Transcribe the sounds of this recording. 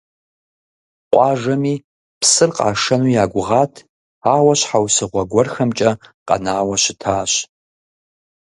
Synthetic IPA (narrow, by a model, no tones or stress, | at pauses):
qʷʼɑːʐɐmiː | pʰsɨrqʼa̰ːʂɐnujaːɡʷʊʁaːtʰ | aːwɐɕħawsɨʁʷɐɡʷɔrxɐmt͡ʃʼɐqʼɐ̰naːwɐɕɪtʰaːɕ